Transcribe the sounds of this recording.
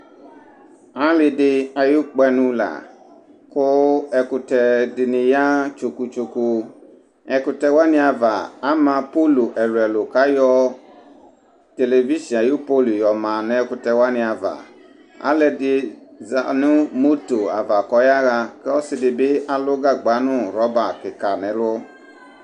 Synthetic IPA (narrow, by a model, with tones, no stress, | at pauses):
a˦lɪ˨dɪ˦a˨jʊ˦k͡pɛ˨nʊ̃˦la̰˨ | kʊ˦ɛ˨kʊ˨tɛ˨dɪ˨nɪ̃˨ja˦t͡ʃo˨ku˨t͡ʃo˨ku˨ | ɛ˨kʊ˨tɛ˨wa˦nɪ̃˦a˨va̰˨a˦mã˨po˦lo˨ʔɛ˨ɾɛ˨lʊ˨ka˦jɔ˦ | te˨le˨vi˦ʃi˨ã˨ju˦po˦lʊ˨jɔ˨mã˨nɛ̃˦kʊ˨tɛ˨wa˦nɪ̃˨a˨va̰˨ | a̰˦lɛ˨dɪ˨˦za˨nʊ̃˦mo˦to˨a̰˨va˨kɔ˨˦ja˦ɣa˧kɛ˦ɔ˦sɪ˨dɪ˨bɪ˦ʔa˨lʊ˦ɡa˦ɡ͡ba˨˦nʊ̃˦ɾɔ˨˦ba˨kɪ˨ka˨nɛ̃˨˦lʊ˦